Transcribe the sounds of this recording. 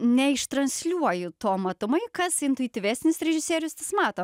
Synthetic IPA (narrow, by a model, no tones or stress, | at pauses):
nʲɛɪʃt̪ɾɐnʲsʲlʲuɔjʊt̪oːmɐt̪ʊmɐɪkɐsɪnt̪ʊjɪt̪ʲiʋʲæːsʲnʲɪsɾʲɛʒʲɪsʲeːɾʲɪʊst̪ɐsmɑːt̪oː